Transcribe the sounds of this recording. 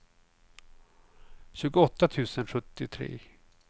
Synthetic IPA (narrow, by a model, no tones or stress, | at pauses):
ɕʉ̟ːɡʊɔt̪ːat̪ʰʉ̟ːsənɧɵt̪ːɪt̪ʰɾḛː